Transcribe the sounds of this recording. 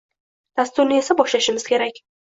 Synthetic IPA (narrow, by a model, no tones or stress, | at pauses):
d̪̥ast̪ʊɾnɪe̞sabɒʃlaʃɪmɪz̥kʲʰe̞ɾakʲ